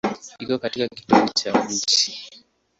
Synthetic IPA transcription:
ikɔkatikaki̥tuhut͡ʃat͡ʃi̥

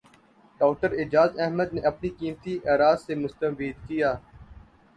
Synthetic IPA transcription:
ɖɔːkʈəɾɪd͡ʒaːzɛɦməd̪neʔɐpnikiːmt̪iʔɛːɾaːzsemʊst̪əbiːd̪kijaː

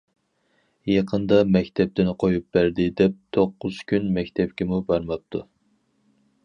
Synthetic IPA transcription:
jɑqʰənd̪ɑmɛkʲt̪ʰɛp̚t̪ɪnqʰojup̚bæɾd̪ɪd̪ɛp̚t̪ʰoqːʊz̥kʲynmɛkʲt̪ʰɛpkʲɪmubɑɾmɑp̚t̪ʰu

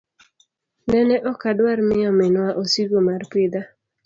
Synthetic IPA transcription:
nɛnɛʔɔkadwaɾmɪjɔmɪnwaʔosiɡomarpɪd̪a

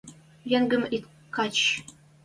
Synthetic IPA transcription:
jɘ̆ŋɡɘ̆mit̪ | kɑt͡ɕ

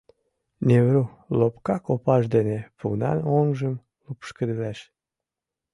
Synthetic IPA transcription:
nʲeβɾu | lopkɑkopɑʃd̪enepunɑ̰noŋʒəm | lupʃkəd̪əlæʃ

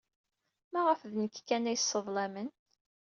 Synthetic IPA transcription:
mæʁəfðnəkːkːænæjəsˤːəðˤlæmən

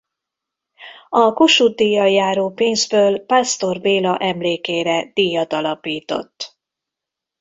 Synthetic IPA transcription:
ɒkoʃud̪ːijːɒjːaːɾoːpeːnzbøːlpast̪o̞rveːlɒʔɛmleːkeːɾɛd̪̥ijɒt̪ɒlɒpiːt̪o̞̰t̪ː

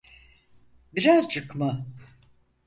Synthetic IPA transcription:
biɾazt͡ʃʰɯkma

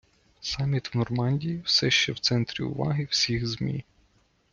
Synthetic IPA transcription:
sɑmʲit̪wnɔrmɑnʲdʲijiwsɛʃt͡ʃɛwt̪sɛnt̪ɾʲḭʊ̰ʋɑ̰ɦɪwsʲixzmʲḭ

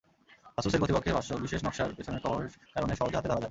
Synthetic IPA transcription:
asuseɾkɾot̪ipokʰːebʱaʃobiʃeʃnɔkʃaɾpet͡ɕʰonekɔkaɾoneʃɔɦod͡ʑoɦat̪ed̪ʱaɾad͡ʑabe

